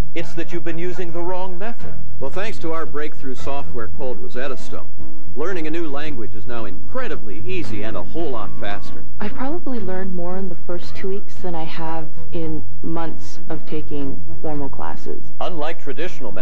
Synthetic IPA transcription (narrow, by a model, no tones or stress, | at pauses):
ɨtsðɨt͡ʃɨvbɨ̃njʉzɪ̃ŋðəɹɔ̃ŋmɛθɨ̰d̥wɛlˠθæ̃ŋkstʰəaʊə˞bɹeɪk̚θɹʉsɔft̚wɛɹkʰoʊlˠd̚ɹəzɛɾəstõ̰ʊ̃n | lɜ̃˞nɪ̃ŋɨnʉlæ̃ŋɡwɨd͡ʒɨznaʊɨ̃nkʰɹ̥ɛɾɨbliʔiziɨ̃nəhoʊlˠɑtfæstə̰˞ʔaɪ̥pʰɹ̥ɑbəblilɜ̃˞nmɔɹɨ̃nðəfɜ˞stʰuwiksðɨ̃ñaɪə | v | ʔɪ̃n | mʌ̃nθs | ʌv̥tʰeɪkɪ̃ŋ | θɔmoʊkʰl̥æ̰sɪ̰z̥ʌ̃nlaɪk̚tʰɹ̥ɨdɪʃn̩l̩ˠmɛ